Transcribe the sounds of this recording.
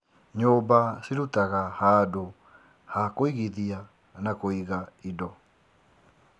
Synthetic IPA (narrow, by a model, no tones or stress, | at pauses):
ɲobasiɾutaɣahaːdo | hakoiɣiðia | nakoiɣaidɔ